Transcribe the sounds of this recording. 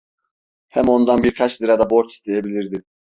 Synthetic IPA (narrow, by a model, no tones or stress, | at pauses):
hɛmo̞nd̪anbiɾkʰat͡ʃzˠiɾad̪aboɾt͡ʃ̪i̥st̪ʰejebilʲiɾd̪i